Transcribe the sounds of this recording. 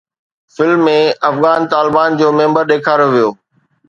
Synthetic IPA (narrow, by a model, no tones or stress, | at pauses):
fɪlmːẽɐfɣaːnt̪aːlɪbaːnd͡ʑoːmẽmbəɾɗeːkʰaːɾoʋijoː